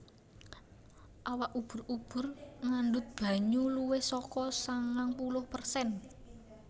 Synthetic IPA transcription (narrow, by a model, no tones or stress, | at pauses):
ʔawaʔub̥ʊ̤rub̥ʊ̤rŋaɳɖʊt̪̚b̥ä̤ɲuluwɪhsɔkɔsaŋaŋpulʊhpərsɛn